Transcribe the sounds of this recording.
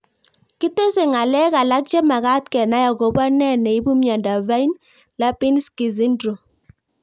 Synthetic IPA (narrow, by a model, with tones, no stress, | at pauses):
ki˦te˦se˨ŋa˨lɛ˦ka˨la˦k̚t͡ʃɛ˦ma˨ka˦t̚kɛ˨na˦ja˨ɡo˨ba˦nɛ˦˨nɛ˨i˦bu˦mja˨nda˨va˦i˦n | la˦pi˦nski˨zi˦ndɾo˨